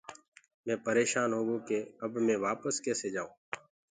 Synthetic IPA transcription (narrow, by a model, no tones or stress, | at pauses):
mɛ̃ːpəɾeːʃaːnɦoːɡõːkeːəbmẽːʋaːpəskɛːseːd͡ʒaːũː